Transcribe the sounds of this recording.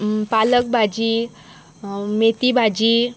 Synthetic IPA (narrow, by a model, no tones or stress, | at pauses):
palək̚bʱad͡ʑi | met̪ibʱad͡ʑi